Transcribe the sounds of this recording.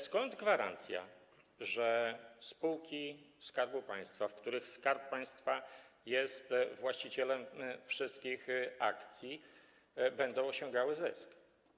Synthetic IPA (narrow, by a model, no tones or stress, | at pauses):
skɔnd̪ɡvaɾa̰nt̪sʲja̰ | ʐɛspuwkʲiskaɾbupa̰j̃st̪fafkt̪uɾɘxskaɾppaj̃st̪fajɛst̪vwaɕt͡ɕit͡ɕɛlɛmfʂɘst̪kʲixa̰kt̪sʲji | bɛnd̪ɔ̃w̃ɔɕɔ̃ŋɡawɘzɛ̰sk